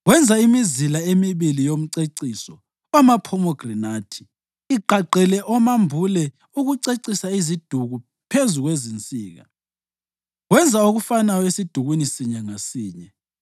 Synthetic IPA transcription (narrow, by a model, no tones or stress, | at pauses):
wɛnd͡zʱaimizilaemiβilijom̩ǀeǀiːsɔ | amapʰɔmɔɡ̥rinaːtʰi̥ː | ɡ͡ǃʱaɡ͡ǀɛlɛʔɔmambʱulɛ | uɣuǀeǀisaizid̥ʱuɣu | pʰezuɣwezint͡sʼiːɣa̰ | wɛnd͡zʱaoɣufanajɔesid̥ʱuɣwinisiɲɛŋasiːɲɛ